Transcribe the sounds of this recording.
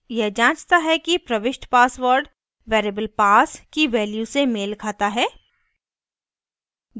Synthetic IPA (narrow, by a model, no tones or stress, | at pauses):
jɛɦd͡ʒãːt͡ʃt̪aɦɛkipɾɐʋɪʃʈpaːsʋəɾɖ | ʋeːɾeːbəlpaːskiʋɛːljusemeːlkʰaːt̪aɦɛː